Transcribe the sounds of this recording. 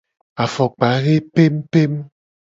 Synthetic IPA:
a˨fɔ˨k͡pa˨˦ɣe˦pe˦mpe˦m

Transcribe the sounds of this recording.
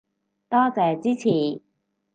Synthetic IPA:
t̪ɔː˥t͡sɛː˨˧t͡siː˥t͡sʰiː˨˩

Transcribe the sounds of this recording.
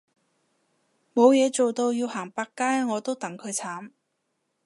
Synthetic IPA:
mo˨˧wjɛː˨˧t͡so˨wt̪o˧wji˧whaː˨˩ŋpaː˧kːaː˥jŋɔː˨˧t̪o˥wt̪ɐ˨˥ŋkʰɵ˨˧ɥt͡sʰaː˨˥m

